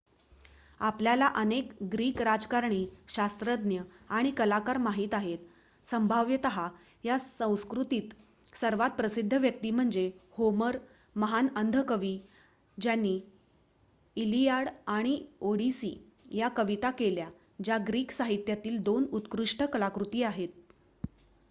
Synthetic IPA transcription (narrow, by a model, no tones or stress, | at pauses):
apljalaʔənekɡɾiːkɾad͡zkaɾɳiːɕast̪ɾəd̪njəaɽ̃ikəlakaɾmaɦiːt̪aɦet̪ | səmbʱaʋjət̪əɦa | jasə̃w̃skɾut̪iːt̪ | səɾʋat̪̚pɾəsid̪ʱːəʋjək̚t̪iːm̤əɳd͡zehoməɾ | məɦanənd̪ʱəkəʋiː | d͡ʑjanːiː | liaɽaɽ̃ioɽisḭː | jakəʋit̪akelja | d͡ʑjaɡɾiːksaɦit̪jat̪iːld̪onut̪kɾuʂʈəkəlakɾut̪iːaɦet̪̚